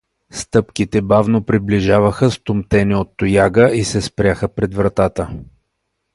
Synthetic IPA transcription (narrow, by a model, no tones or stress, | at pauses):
st̪ɤpkit̪ɛbavnopɾibliʒavəxəst̪ʊmt̪ɛniot̪ːʊjaɡəisɛspɾʲjaxəpɾɛd̪vɾɐt̪at̪ə